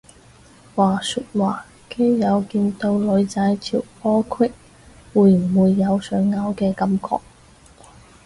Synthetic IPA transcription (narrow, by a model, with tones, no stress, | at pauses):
waː˨˩syː˧t̚waː˨˩ | ke˥jːɐ˨˧wkiː˧nt̪o˧wlɵ˨˧ɥt͡sa˨˧˥jt̪ʰḭ˨˩wpɔː˥kʰwɪ˥k̚ | wuː˨˧jm̩˨˩wuː˨˧jːɐ˨˧wsœː˨˧˥ŋːaː˨˥wkɛː˧kɐ˧˥mkʰɔ̰ː˧k̚